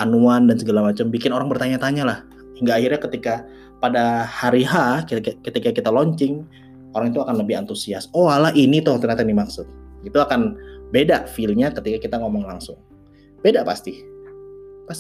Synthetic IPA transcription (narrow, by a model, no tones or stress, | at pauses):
ʔanuandansəɡəlamat͡ʃambikɪnoɾaŋbərt̪aɲat̪aɲalah | hiŋɡaːhirɲakət̪ika | padahaɾiɦakkət̪ikakit̪alɔɲt͡ʃɪŋ | oɾaŋit̪uakanləbɪha̰nt̪usiasowalaɦinit̪ʊht̪ərɲat̪animaksʊt̪̚it̪uakanbedaʔfilɲakət̪ikakit̪aŋomɔŋlaŋsʊŋ | bedaʔpa̰st̪i | pas